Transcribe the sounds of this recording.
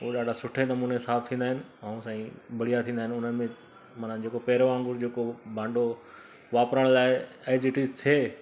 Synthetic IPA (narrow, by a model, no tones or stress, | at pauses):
oːɗaːɖʱasʊʈʰenɐmuːneɪsaːb̚t̪ʰĩːn̆d̪aɦɪnɪ̆ɐũsãːĩbʱɐɽijat̪ʰĩːnd̪aɦɪ̃nʊn̤ənɪ̆mẽ | mɐnãd͡ʑeːkopɛːɾoãːŋɡʊɾd͡ʑeːkobʱãːɳɖo | ʋaːpɾəɽ̃laːɪeɪd͡ʑɪʈiːzt̪ʰeː